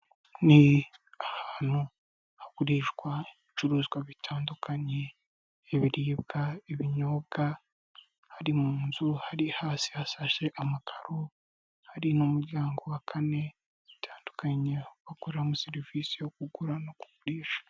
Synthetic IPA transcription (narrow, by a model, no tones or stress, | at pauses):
ni | ahaːn̥hu | hakuɾiːʃɡwaeβit͡ʃuɾuːzɡwaβitʰaːndukʰaɲe̞ː | βiɾiːbɡaeβiɲo̞bɡa | haɾimuːnzuhaɾihaːsi̥hasaʃe̞ʔamakʰaɾo | haɾinumuɾɟaːŋɡowakʰane̞ | βitʰaːndukʰaɲe̞βakoɾamuseɾiviːsijok̚uɡuɾanoku̥kuɾiːʃḁ